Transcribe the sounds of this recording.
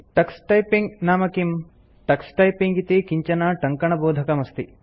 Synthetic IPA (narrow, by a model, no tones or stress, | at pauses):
ʈɐksʈɐjpiŋɡnaːmɐkim | ʈɐksʈɐjpiŋɡit̪ikiɲt͡ʃɐnaːʈɐŋkɐɳɐboːd̪ʱɐkɐmɐst̪i